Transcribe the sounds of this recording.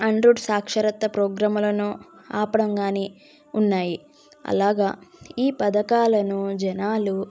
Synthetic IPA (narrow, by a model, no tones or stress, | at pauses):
ɐɳɖɾuːɖsaːkʂɐɾɐt̪ːɐpɾɔːɡɾaːmulɐnuːaːpɐɽɐŋɡaːni | unːaːji | ɐ̰laːɡaːiːpɐd̪ɐkaːlɐnud͡ʒɛnaːlu